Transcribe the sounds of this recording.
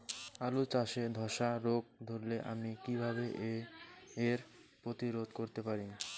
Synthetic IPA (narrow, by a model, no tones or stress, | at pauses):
alut͡ɕaʃed̪ʱɔʃaɾok̚d̪ʱoɾleʔamikibʱaβeʔeː | ɾ | pɾot̪iɾod̪̚ʱkoɾt̪epaɾin